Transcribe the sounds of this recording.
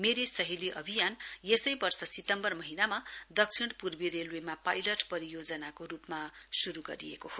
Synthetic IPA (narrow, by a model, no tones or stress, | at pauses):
meɾisʌɦiliʔʌbʱijanjesʌjbʌrsʌsit̪ʌmbʌrmʌɦinamad̪ʌksʰiɽ̃purbiɾelwemapajlʌʈpʌɾijod͡zʌnakoɾupmasuɾuɡʌ̰ɾijḛkoho